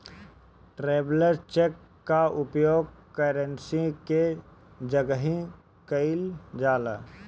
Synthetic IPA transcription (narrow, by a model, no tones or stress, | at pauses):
ʈɾeːbləɾt͡ʃekː | aʔʊpjoːɡkəɾə̃nsiked͡ʒəɡəɦĩ | kəɪld͡ʒaːla̰ː